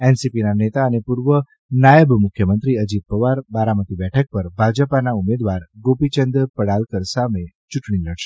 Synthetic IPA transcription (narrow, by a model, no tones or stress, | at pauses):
ensipinanet̪aənepuɾʋə | najəbmʊkʰjəmənt̪ɾiəd͡ʒit̪̚pəʋaɾbaɾamət̪ibɛʈʰək̚pəɾbʱad͡ʒəpanaumed̪ʋaɾɡopit͡ʃənd̪ɾpəɽalkəɾsame | t͡ʃuʈɳiləɽʃe̥